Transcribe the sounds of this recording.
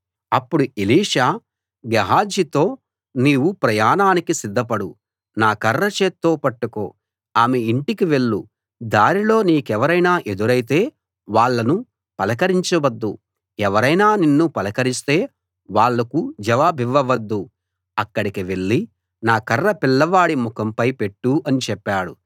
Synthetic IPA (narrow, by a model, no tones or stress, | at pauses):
ɐpːuɽuiliːʂaː | ɡɐɦaːd͡ʒit̪o̞ː | niːwupɾɐjaːnaːnikisid̪ʱːɐpɐɽu | naːkɐrːɐt͡ʃe̞ːt̪ːo̞ːpɐʈːuko̞̰ː | aːme̞iɳʈikiʋe̞ɭːṵ | d̪aːnilo̞ːniːkɛʋɐɾɐjnaːʔe̞d̪uɾɐjit̪e̞ː | ʋaːɭːɐnu | pɐlɐkɐɾiɲt͡ʃɐʋɐd̪ːu | ɛʋɐɾɐjnaːninːupɐlɐkɐɾist̪e̞ː | ʋaːɭːɐkud͡ʒɐʋaːbiʋːɐʋɐd̪ːu | ɐkːɐɽikiʋe̞ɭːi | naːkɐrːɐpilːɐʋaːɽimukɐmpɐjpe̞ʈːuɐnit͡ʃɛpːaːɽu